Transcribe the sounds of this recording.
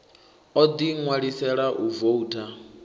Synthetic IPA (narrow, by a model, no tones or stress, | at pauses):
ɔd̪iŋwaɺisɛɺaʔuvoutʰʼa